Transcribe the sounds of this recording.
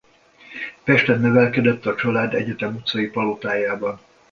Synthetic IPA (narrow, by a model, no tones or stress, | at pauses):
pɛʃt̪ɛnːøvɛlkɛd̪ɛt̪ːɒt͡ʃɒlaːd̪ɛ̰ɟɛt̪ɛmut̪sɒjipɒlot̪aːjaːbɒn